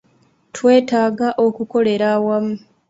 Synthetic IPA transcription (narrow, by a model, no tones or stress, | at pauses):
twe̞ːtaːɡaʔo̞kuko̞le̞ɾawamu